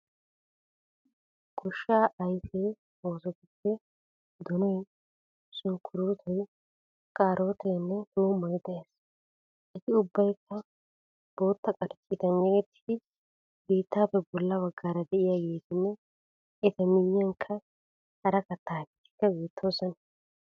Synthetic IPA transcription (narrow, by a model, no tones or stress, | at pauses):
ɡɔʃːaːʔɐjfeː | o̞ːsɔkɪtːɛ | d̪ɔnɔj | sʊŋkʰːʊɾuːt̪ʰɔj | kʼaːɾʔo̞ːt̪ɛnːɛd̪uːmːɐjd̪ɛjaːs | ʔɪt̪ɪʊbːɐjkːɐ | b̥o̞ːt̪ːɐkʼɐɾt͡ʃʼːɪt̪ɐnːɐɡɛt̪ːɪ̥d̪ɪ | beːt̪ːaːpːɛbɔlːɐbɐɡːaːɾɐd̪ɛʔɪjaːɡeːt̪ɪnːɛ | ɛt̪ɐmɪjːɐŋkʰːɐ | hɐɾɐkɐt̪ːaːkɪt̪ːɪ̥kːɐɡeːt̪ʰːoːsɔn